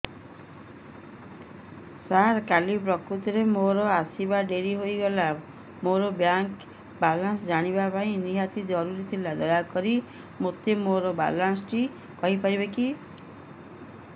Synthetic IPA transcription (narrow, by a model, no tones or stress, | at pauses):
saɾkalipɾɔkɾut̪ɔɾemoɾɔasibaɖeɾiɦoiɡɔla | moɾɔbjaŋk | balansɔd͡ʒaɽ̃ibapaĩniɦat̪id͡ʒɔɾuɾit̪ʰilad̪ɔjakɔɾi | mot̪emoɾɔba̰lansʈi | kɔɦipaɾibeki